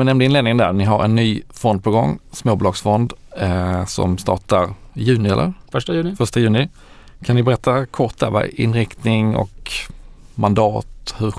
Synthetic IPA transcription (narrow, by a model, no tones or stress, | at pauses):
nɛmnd̪əɪnleːd̪ɪŋənd̪æ̰ɾnɪɦaɾɛ̰nːyːfɔnd̪̚pʰɔɡɔŋːsmoːbuʊlɑːɡsfɔnd̪ | sɔ̰mst̪ɑ̰ːʈaɾjʉ̟ːnɪɛlːʔə̰ɾʂajʉːɪfœʂʈajʉ̟ːnɪ | kʰannɪbɛɾɛt̪ʰːakʰɔʈ̪̚d̪æ̰ɾva̰ɪ̰nːɾɪkt̪nɪŋɔ̰k | mand̪ɑːt̪hɵɾ